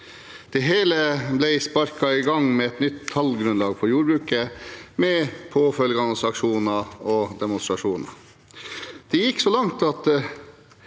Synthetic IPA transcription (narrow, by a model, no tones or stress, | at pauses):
d̪̥ɛɦeːləblæɪspɑɾkɑɪɡɑŋmɛɛt̪nʏt̪ʰːɑlɡɾʉnlɑːɡfʰɔjuːɾbɾʉːkəmɛpʰoːfœlɡɑnsɑkʂuːnɑɔd̪ɛmʊnst̪ɾɑʂuːnɑ̰ | d̪̥ɛjɪkːsɔlɑŋt̪ɑt̪